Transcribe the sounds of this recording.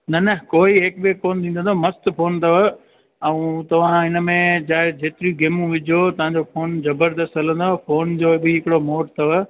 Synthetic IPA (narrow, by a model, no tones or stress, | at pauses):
nɐnɐkoːiɦeːk̚bekoːnt̪ʰĩːnd̪ə̃nomɐst̪pʰoːnt̪ʰɐʋə | ɛ̃ũt̪ɐʋ̤ãɦɪnəmẽd͡ʑaːɦed͡ʑeːt̪ɪɾijũɡeːmũʋɪd͡ʑʱiot̪ɐʋ̤ãɲd͡ʑoːfʰoːnzɐbəɾd̪əst̪ɦɐlə̃nd̪ofʰoːnd͡ʑoːbɪɦɪkɪɽomoːʈt̪ʰɐʋə